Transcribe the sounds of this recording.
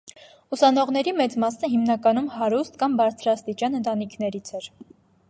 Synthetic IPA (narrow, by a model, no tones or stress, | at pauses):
usɑnɔʁnɛɾimɛt͡smɑsnəɦimnɑkɑnumhɑɾust̪kɑmbɑɾt͡sʰɾɑst̪it͡ʃjɑnənt̪ɑnikʰnɛɾit͡sʰɛɾ